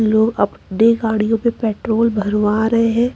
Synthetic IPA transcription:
loːɡɐpɖeɡaːɽijõpepɛːʈɾoːlbʱɐɾʋaːɾɐɦeɦɛ̃ː

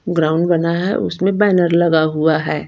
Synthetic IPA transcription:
ɡɾaːʊ̃ɳɖbɐnaɦɛ̰ʔʊsmẽbɛːnəɾlɐɡaɦuaɦɛː

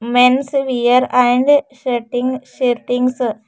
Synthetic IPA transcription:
mensʋijəɾãjɳɖʃeɾʈiŋɡʃiɾʈiŋɡs

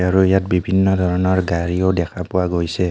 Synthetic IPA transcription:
aɹuijatbibʱinːɔd̪ʱɔɹɔnɔɹɡaɹiodɛkʰapʊwaɡojsɛ

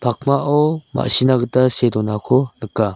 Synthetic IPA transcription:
pʰak̚maʔɔma̰ʔɕinaɡɯtasedɔnakʰɔnɯkːa

